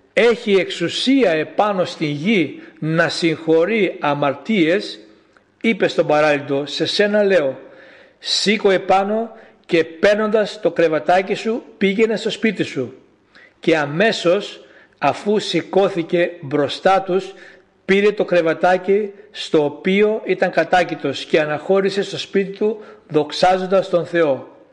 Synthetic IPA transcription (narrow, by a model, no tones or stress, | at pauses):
e̞çie̞ksusiɐe̞pɐno̞st̪inʝinɐsiŋxo̞ɾiɐmɐɾt̪ie̞s | ipe̞st̪o̞bɐɾɐlit̪o̞se̞se̞nɐle̞o̞ | siko̞e̞pɐno̞ | ce̞pe̞ɾno̞nd̪ɐst̪o̞kɾe̞vɐt̪ɐcisupiʝe̞ne̞st̪o̞spit̪isu | ce̞ɐme̞so̞s | ɐfusiko̞θice̞bɾo̞st̪ɐt̪us | piɾe̞t̪o̞kɾe̞vɐt̪ɐcist̪o̞ːpio̞it̪ɐŋkɐt̪ɐcit̪o̞sce̞ɐnɐxo̞ɾise̞st̪o̞spit̪it̪uðo̞ksɐzo̞nd̪ɐst̪o̞nθe̞o̞